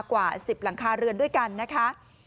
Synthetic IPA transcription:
kwaː˨˩si˨˩p̚la˩˦ŋkʰaː˧ɾɯ˧əndu˥˩əjka˧nːa˦˥kʰa˦˥ʔ

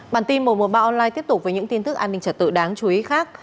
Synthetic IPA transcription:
ɓaː˨˩nt̪i˧nmo˨˩mo˨˩t̚ɓaː˧ʔɔ˧nlaː˧jt̪i˦˥ət̪ʊ˨˩k͡p̚vəː˨˦jɲɨ̰˧˥ŋt̪i˧nt̪ɨ˦˥k̚ʔaː˧nːï˧ŋ̟t͡ɕəː˧˩t̪ɨ̰˧˨ɗaː˨˦ŋt͡ɕu˨˦i˨˦xaː˦˥k̚

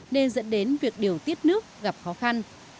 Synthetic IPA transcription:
ne˧nzə̰˧˥nɗe˨˦nvi˨˩ək̚ɗi˨˩əwt̪i˦˥ət̚nɨ˦˥ək̚ɣa˨˩p̚xɔ˨˦xa˧n

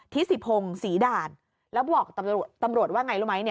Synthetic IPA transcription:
t̪ʰi˦˥si˨˩p̚ʰho˧ŋsiː˩˦daː˧˩n | lɛː˦˥wbɔː˨˩k̚t̪a˧mu˨˩ə˩t̪ːa˧mɾu˨˩ət̪waː˥˩ŋa˧jluː˥˩ma˦˥jni˥˩ɐ

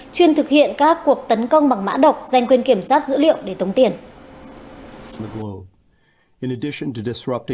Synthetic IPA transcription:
t͡ɕwi˧ənt̪ʰɨ˨˩k̚hḭ˧˨ənkaː˦˥kːu˨˩ək̚t̪ə˨˦nkə˧wŋ͡mɓa˨˩ŋma̰ː˧˥ɗə˨˩wk͡p̚za˧˩jŋ̟kwi˧ənki˧˩əmswaː˦˥t̚zɨ̰˧˥lḭ˧˨əwɗe˧˩t̪ʰə˨˦wŋ͡mt̪i˧˩ən | ðəɡloʊb | ɨ̃nɨdɪʃɨ̃ntɨdɨsɹʌp̚tɪ̃

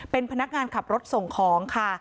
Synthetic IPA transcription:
pe˧npʰa˧na˦˥k̚ŋaː˧nkʰa˨˩p̚ɾo˦˥t̪̚so˨˩ŋkʰɔː˩˦ŋkʰa˥˩

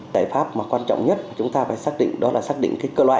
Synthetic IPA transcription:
za̰ː˧˨jfaː˦˥p̚maː˨˩kwaː˧nt͡ɕɔ̰˧˨wŋ͡mɲə˦˥t̚maː˨˩t͡ɕʊ˨˦ŋ͡mt̪aː˧faː˧˩jsaː˦˥k̚ɗḭ˧˨ŋ̟ɗɔ˨˦laː˨˩saː˦˥k̚ɗḭ˧˨ŋkaː˨˦jkəː˧lwaː˧˨

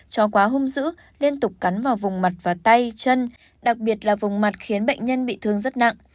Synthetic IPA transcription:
t͡ɕɔ˨˦kwaː˨˦ɦʊ˧ŋ͡mzɨ̰˧˥ | li˧ənt̪ʊ˨˩k͡p̚ka˨˦nvaː˨˩wvʊ˨˩ŋ͡mma˨˩t̚vaː˨˩t̪a˧jt͡ɕə˧n | ɗa˨˩k̚ɓi˨˩ət̚laː˨˩vʊ˨˩ŋ͡mma˨˩t̚xi˨˦ənɓə̰˧˨jŋ̟ɲə˧nɓḭ˧˨t̪ʰɨ˧əŋzə˦˥t̚na̰˧˨ʔ

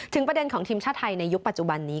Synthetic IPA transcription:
t̪ʰɯ˩˦pɾa˧de˧nkʰɔː˩˦ŋt̪ʰiː˧mt͡ɕʰaː˥˩t̪ʰːa˧jna˧jːu˦˥k̚pa˨˩t̪̚t͡ɕu˨ba˧nːiː˦˥

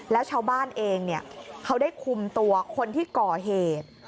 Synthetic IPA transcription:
lɛ˦˥wt͡ɕʰaː˧wbaː˥˩nʔeː˧ŋni˥˩ɐkʰa˦˥wdaː˥˩jkʰu˧mt̪u˧ɐkʰo˧nt̪ʰiː˥˩kɔː˨˩ɦeː˨˩t̪̚

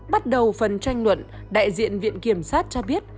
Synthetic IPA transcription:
ɓa˦˥t̚ɗə˨˩wfə˨˩nt͡ɕa˧jŋ̟lwə̰˧˨n | ɗa̰ː˧˨jzḭ˧˨ənvḭ˧˨ənki˧˩əmsaː˦˥t̚t͡ɕɔ˧ɓi˦˥ət̚

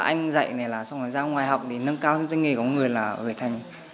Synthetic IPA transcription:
ʔa̰˧jŋ̟zə̰˧˨jna˨˩laː˨˩sa˧wŋ͡maː˨˩jzaː˧ŋwaː˨˩jɦwk͡p̚t̪ʰi˨˩nə˧nkaː˧wt̪ʰə˧˦t̪ə˨˦ŋi˨˩kɔ˨˦ŋɨ˨˩əjlaː˨˩ve˨˩t̪ʰa˨˩jŋ̟

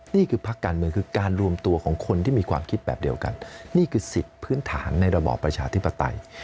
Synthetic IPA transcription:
niː˥˩kʰɯː˧pʰa˦˥kːaː˧nmɯ˧əŋkʰɯː˧kaː˧nɾu˧əmt̪u˧ɐkʰɔː˩˦ŋkʰo˧nt̪ʰiː˥˩miː˧kʰwaː˧mkʰi˦˥t̪̚bɛː˨˩p̚di˧əwka̰˧nniː˥˩kʰɯː˧si˨˩t̪̚pʰɯː˦˥nt̪ʰa̰ː˩˦nːa˧jɾa˧bɔ̰ː˨˩pːɾa˧t͡ɕʰaː˧t̪ʰi˦˥pːa˧t̪a̰˧j

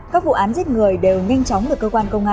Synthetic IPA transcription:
kaː˦˥k̚vṵ˧˨ʔaː˨˦nzt̚ŋɨ˨˩əjɗe˨˩wŋa˧jŋ̟t͡ɕɔ˨˦wŋ͡mɗɨ˨˩əkːəː˧kwaː˧nkə˧wŋ͡mʔaː˧

